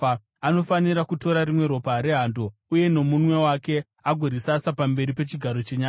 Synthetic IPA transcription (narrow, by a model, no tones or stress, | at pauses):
ano̞faniɾakuto̞ɾaɾimwe̞ɾo̞paɾe̞ɦando̞uje̞no̞munwe̞wake̞ | aɡʱoɾisasapambe̞ɾipe̞t͡ʃiɡʱaɾo̞t͡ʃeɲaː